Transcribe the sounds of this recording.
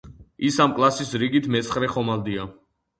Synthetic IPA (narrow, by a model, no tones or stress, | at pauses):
isamkʼlˠasisɾiɡit̪ʰmɛt̪sʰχɾɛχɔmald̪ia